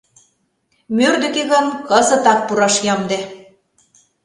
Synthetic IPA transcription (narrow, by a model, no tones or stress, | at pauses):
mørd̪ø̆keɣɤ̆nkɤzɤ̆t̪ɑk̚puɾɑʃjɑmd̪e